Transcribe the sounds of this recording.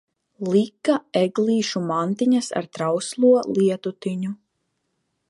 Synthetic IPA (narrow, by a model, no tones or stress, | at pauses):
lˠikːaeɡlˠiːʃumant̪iɲasa̰ɾt̪ɾawslˠuɔliɛt̪ut̪iɲu